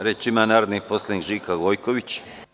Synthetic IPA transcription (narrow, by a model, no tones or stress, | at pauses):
ɾet͡ʃimanaːɾod̪nixposlˠaniːkʒiːkaɡojkoʋit͡ɕ